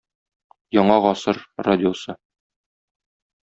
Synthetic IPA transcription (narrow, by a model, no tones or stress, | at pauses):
jɒɴɑʁɒsɤɾradʲɪosɤ